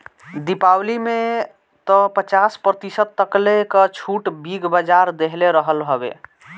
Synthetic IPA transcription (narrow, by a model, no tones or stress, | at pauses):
d̪ipawlime | t̪ɔpət͡ʃaspɾət̪isət̪̚t̪ːəklekət͡ʃʰuʈbiɡbəd͡ʒaɾd̪eɦleɾəɦəlɦobḛ